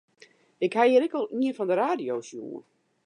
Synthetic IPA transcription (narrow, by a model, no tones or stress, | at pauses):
ɪkhajɪɾɪkɔlˠiənfɔndəɾaːdijowsjṵːə̰n